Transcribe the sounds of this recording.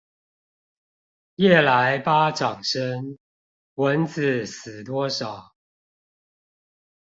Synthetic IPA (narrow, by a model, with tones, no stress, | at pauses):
jɛ˥˩la˨˦ɪpa˦ʈ͡ʂɑ˨˩ŋʂə˦ŋ | wə˨˦nt͡s̩˨˩s̩˨˩t̪wɔ˦ʂɑ˨˩˦ʊ